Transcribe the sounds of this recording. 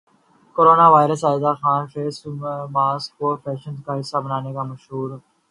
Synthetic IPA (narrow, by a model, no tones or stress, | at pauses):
koːɾoːnaːʋaːɪɾəsaːɪzaxaːnfeːsmaːskoːɾfʰɛːʃənskaːɦɪsaːbənaːnekaːmɐʃɦuːɾ